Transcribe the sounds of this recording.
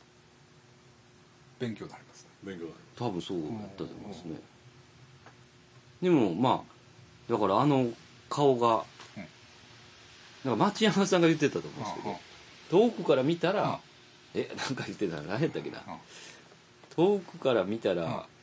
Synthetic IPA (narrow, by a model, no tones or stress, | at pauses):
b̥ẽ̞ŋkʲoːnaɾʲimas | beŋkʲoat̪ʰabɯ̟̃ɰ̃so̞ːja̰t̪ːat̪o̰ːmosɨne̞̰ | d̪e̞mo̞ma̰ː | d̪akaɾaːno̞ | kʰao̞ɡa | nãŋkamat͡ɕijamasãŋɡajɯ̟t̪ːet̪at̪o̞mõ̰ːsked̪o | t̪o̞ːkɯ̟kaɾamʲit̪aɾa | e̞nãŋkajɯ̟t̪ːet̪aajat̪ːakena̰ | t̪ʰo̞ːkɯ̟kaɾamʲit̪aɾa̰